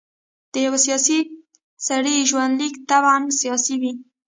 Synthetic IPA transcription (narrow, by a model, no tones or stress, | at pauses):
d̪̥əjawasijɑsi | saɽiʒwand̪likt̪abmsijɑsiwi